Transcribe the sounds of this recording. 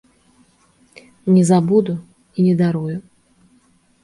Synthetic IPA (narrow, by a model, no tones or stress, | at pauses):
nʲɛzabud̪ʊ | inʲɛd̪aɾujʊ